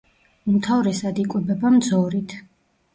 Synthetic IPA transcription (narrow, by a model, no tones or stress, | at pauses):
umt̪ʰavɾɛsad̪ikʼwɛbɛbamd̪zɔɾit̪ʰ